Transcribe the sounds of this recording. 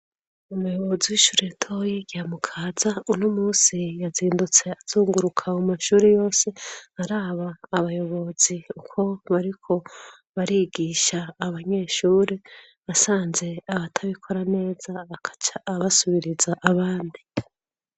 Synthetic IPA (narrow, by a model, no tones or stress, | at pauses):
umujo̞βo̞ziwiʃuːɾetʰo̞jiɟiamukʰaːzaunomuːsijaziːndut͡se̞az̥uːŋɡuɾukʰamumaʃuːɾejo̞ːse̞haɾaːβaːβajo̞βo̞z̥iukʰo̞βaɾikʰo̞ | βaɾiɡiːʃaːβaɲe̞ʃuːɾe̞ | βasaːnze̞aβatʰaβikʰo̞ɾane̞ːzakat͡ʃaːβasuβiɾizaʔaβaːndi